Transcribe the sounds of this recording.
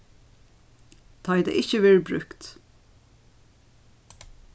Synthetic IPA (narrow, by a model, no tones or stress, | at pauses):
t̪ʰɑɪd̪ɛ̰ʔɪçəʋɛːɹbɹʉ̰kt̪